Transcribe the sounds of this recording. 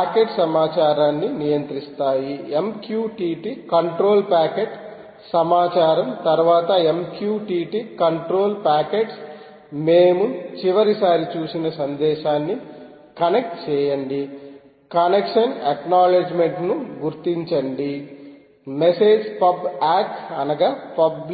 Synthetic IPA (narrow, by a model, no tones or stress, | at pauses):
paːkeʈsɐmaːt͡ʃaːɾaːnːinijɐnt̪ɾist̪aːjiemkjuːʈiːʈikɐɳʈɾo̞ːlpaːkeʈ | sɐmaːt͡ʃaːɾɐmt̪ɐɾʋaːt̪ɐemkjuːʈiːʈikɐɳʈɾo̞ːlpaːkeʈs | meːmut͡ʃiʋɐɾisaːɾit͡ʃuːsinɐsɐnd̪ɛːʃaːnːi | kɐnek̚ʈt͡ʃɛːjɐɳɖi | kɐnekʂɐneknaːled͡ʒmeɳʈnuɡuɾt̪iɲt͡ʃɐɳɖi | mese̞ːd͡ʒpɐbaːkɐnɐɡɐpɐb